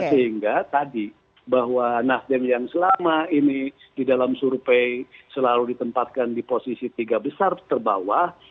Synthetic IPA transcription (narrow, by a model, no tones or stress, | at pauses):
səɦiŋɡat̪adi | baɦwanasdɛnjaŋsəlamaini | didalamsurpejsəlaludit̪əmpat̪̚kandiposisit̪iɡabəsart̪ərba̰wah